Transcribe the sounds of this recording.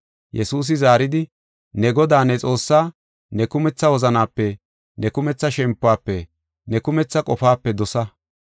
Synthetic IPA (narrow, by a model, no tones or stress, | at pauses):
jɛsuːs̬ɪzaːɾɪd̪ɪ | nɛɡɔd̪aːnɛt͡sʼo̞ːsːaː | nɛkʊmɛt͡sːɐwɔzɐnaːpːɛ | nɛkʊmɛt͡sːɐʃɛmpːʊaːpːɛ | nɛkʊmɛt͡sːɐkʼɔfaːpːɛd̪ɔsɐ